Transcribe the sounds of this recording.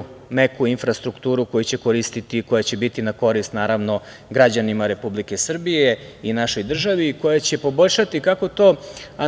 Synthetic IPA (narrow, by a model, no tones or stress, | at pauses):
mekuinfɾast̪ɾukt̪uːɾuko̞jut͡ɕe̞koɾist̪it̪iko̞jat͡ɕe̞bit̪inako̞ɾist̪naːɾaʋno̞ | ɡɾad͡ʑanimaɾe̞publike̞sr̩bije̞inaʃo̞jd̪r̩ʒaʋiːko̞jat͡ɕe̞po̞bo̞ʎʲʃat̪ikako̞t̪o̞a